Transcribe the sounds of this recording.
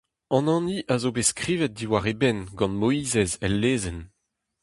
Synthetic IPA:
ɑ̃nɑ̃niʔazobeskʁiːvɛt̚d̪iwaʁebɛnɡɑ̃nmoiːzɛzɛlːeːzɛn

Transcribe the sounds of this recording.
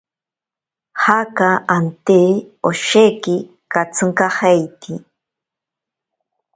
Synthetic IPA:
hakaant̪eoʃeki | kat͡sʰɨŋkahejt̪ʰi

